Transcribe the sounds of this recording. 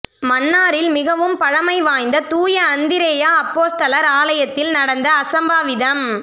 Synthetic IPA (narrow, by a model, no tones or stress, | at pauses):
mɐnːaːɾɪlmɪɣɐʋɯmpɐɻɐmɐɪʋaːjnd̪ɐt̪uːjɐːnd̪ɪɾeːjaɐpːoːst̪ɐlɐɾaːlɐjɐt̪ːɪlnɐɽɐnd̪ɐːsɐmbaːʋɪðɐm